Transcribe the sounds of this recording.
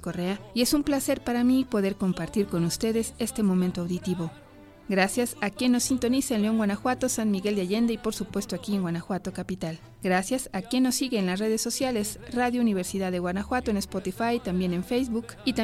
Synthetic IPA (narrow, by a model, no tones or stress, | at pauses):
kore̞aie̞sumplase̞ɾpaɾamipo̞ðe̞ɾko̞mpaɾt̪iɾko̞nust̪e̞ðe̞se̞st̪e̞mõ̞mẽnt̪oawðit̪iβo̞ | ɡɾasjasakje̞nːo̞sːint̪o̞niseenleo̞ŋɡwanaxwat̪o̞sanmiɣe̞ld̪jaʝe̞nd̪eipo̞ɾsupwe̞st̪oakie̞ŋɡwanaxwat̪o̞kapit̪al | ɡɾasjasakje̞nːo̞sːiɣe̞ːnlasre̞ðe̞sːo̞sjale̞sraðjouniβ̞e̞ɾsiðaððe̞ɣwanaxwat̪oenespot̪ifajt̪ambje̞ne̞ɱfejzβukit̪a